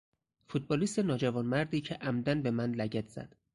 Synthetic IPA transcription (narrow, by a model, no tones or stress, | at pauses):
fut̪̚ʰbɒːliːst̪enɒːd͡ʒævɒːnmæɾd̪iːcʰeʔæmd̪ænbe̞mænlæɟæt̪ʰz̥æ̰d̪̥